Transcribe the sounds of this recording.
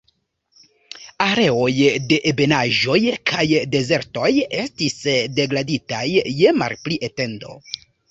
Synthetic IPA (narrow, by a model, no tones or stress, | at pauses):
aɾe̞o̞jde̞ʔebe̞naʒo̞jkʰajde̞ze̞ɾto̞je̞stisde̞ɡɾaditajːe̞ma̰lpliʔete̞ndo̞̰